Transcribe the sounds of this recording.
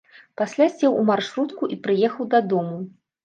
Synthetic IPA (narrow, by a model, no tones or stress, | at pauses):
pasʲlʲasʲt͡sʲɛwumarʂɾut̪kuʔipɾɨjɛxɐwd̪ɐd̪ɔmu